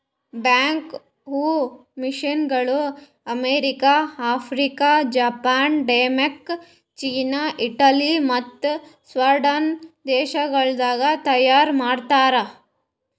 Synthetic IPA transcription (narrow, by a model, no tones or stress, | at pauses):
baːŋk | ɦuː | miʃinɡɐɭu | ɐmeːɾikaaːpʰɾikad͡ʒaːpaːnɖeːmɐk | t͡ʃiːnaʔiʈɐlimɐt̪ːsʋɐɾɖɐnd̪eːʃɐɡɐɭd̪aːɡat̪ɐjaːɾmaːɽt̪aːɾa